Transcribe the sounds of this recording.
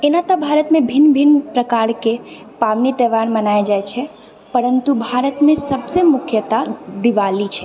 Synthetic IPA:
enat̪əbʱaːɾət̪mẽbʱɪnbʱɪnpɾəkaːɾke | paʋnit̪ɛːʋaɾmənaːjad͡ʒajt͡ʃʰe | pəɾənt̪ubʱaːɾət̪mẽsəbsemʊkʰjət̪ad̪ɪʋalit͡ʃʰe

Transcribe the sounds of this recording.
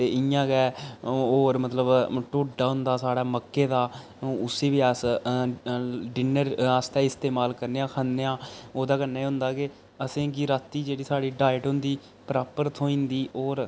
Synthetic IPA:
t̪eːɪjãːɡɛːoːɾmət̪ləbʈoːɖaːɦʊ̃nd̪aːsaːɽaːməkːeːd̪aː | ʊseːʋiːaːs | ɖɪnəɾaːst̪ɛːɪst̪eːmaːlkəɾneːãːkʰənːeːãːoːd̪aːkəɾnaːɦʊ̃nd̪aːke | əsẽːkɪɾaːt̪ːiːd͡ʒeːɽiːsaːɽiːɖaːɪʈɦʊ̃nd̪iː | pɾaːpəɾt̪ʰoːĩːnd̪iːoːɾ

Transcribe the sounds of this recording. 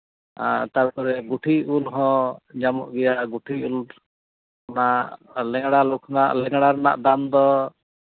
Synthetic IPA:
t̪aɾpɔɾɛɡuʈʰiulɦɔ̃d͡ʒamɔʔɡɛjaɡuʈʰiul | naʔʔlɛŋɽalokʰnaʔlɛŋɽaɾna̰ʔd̪amd̪ɔ

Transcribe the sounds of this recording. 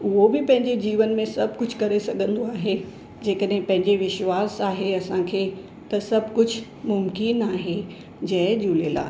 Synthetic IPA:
ʊɦobɪpɐ̃ɦɪ̃ɲd͡ʑed͡ʑiːʋənmẽsɐbʱkʊd͡ʑʱkɐɾesɐɡʱə̃nd̪oaːɦe | d͡ʑeːkəɗɦɪ̃pɐ̃ɦɪ̃ɲd͡ʑeʋɪʃwaːsaːɦeɐsãkʰeː | t̪ɐsɐbʱkʊd͡ʑʱ | mʊmkɪnaːɦe | d͡ʑɐɦd͡ʑuːleːla̰ː

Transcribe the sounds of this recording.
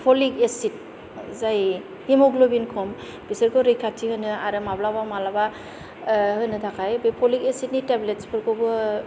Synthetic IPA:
pʰɔlikesit̚ | zaj | himɔɡlobinkʰɔm | b̥isɯɾkɯɾɯjkʰatʰihɯnɯaɾɯmablabamalaba | hɯnɯtʰakʰajbepʰɔlikesit̚nitebletspʰɯɾkɯbɯ

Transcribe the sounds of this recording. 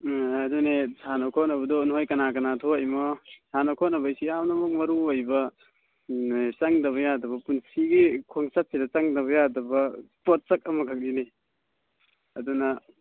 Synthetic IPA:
ɐdunesʰanokʰɔnɐβɐdɔnhojkɐnakɐnatʰoajmɔsʰanokʰɔnɐbɐjsiawnɐmɐk̚mɐɾuojbɐ | sɐŋdɐβɐjadɐβɐpunsiɡikʰɔŋsat̚sidɐt͡ʃaŋdɐβɐjadɐbɐpɔt̚sɐk̚ɐmɐkʰɐk̚line | ɐdunɐ

